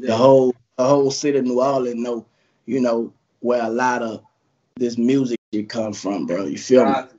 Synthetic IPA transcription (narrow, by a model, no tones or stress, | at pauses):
ðəhoʊlˠ | ðəhoʊlˠsɪɾɨnuɑlɨ̃nːoʊ | jɨnoʊ | wə˞əlɑɾʌ | ðɪs̬mjuzɨkʃɨd̚kʰʌ̃ɱfɹʌ̃mbɹojɨ̰fil